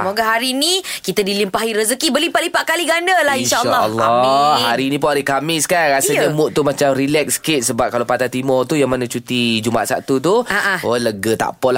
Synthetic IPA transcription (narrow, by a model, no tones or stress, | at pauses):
smoɡaɦaɾinikit̪adilimpaɦiɾəzəkibərlipaʔlipaʔkaliɡandəlahinʃaaɔ̰lːaɔmɦaɾinip̬uŋaɾihkamɪskanɾasaɲamʊʔ̚t̪umat͡ʃamrilɛk̚skɪt̪̚səbap̚kalawpat̪at̪imɔrt̪ujaŋmanat͡ʃut̪id͡ʒuma̰ʔsa̰t̪ut̪̬uaʔaoləɡət̪a̰pɔla